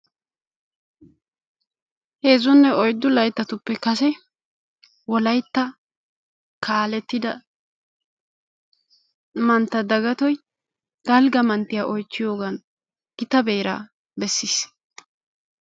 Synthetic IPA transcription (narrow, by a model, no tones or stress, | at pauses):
he̞ːzʊnːɛɔjd̪ːʊlɐjt̪ːɐt̪ʊpːɛkɐs̬ɛ | wɔlɐjt̪ːɐ | kʰaːlɛt̪ːɪd̪ɐ | mɐnt̪ːɐd̪ɐɡɐt̪ɔj | d̪̥ɐlɡɐmɐnt̪ːɪjaʔɔjt͡ʃːɪjo̞ːɡɐn | ɡ̥ɪt̪ɐbeːɾa̰ː | bɛsːiːs